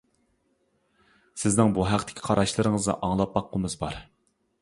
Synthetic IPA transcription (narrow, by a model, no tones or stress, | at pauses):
sɪznɪŋbuɦæqt̪ʰɪ̥kʲʰi̥qʰɑɾʔɑʃlˠɨɾɨŋəznɨ̰ʔɑŋlˠɑp̚bɑqːəmɨzbɑɾ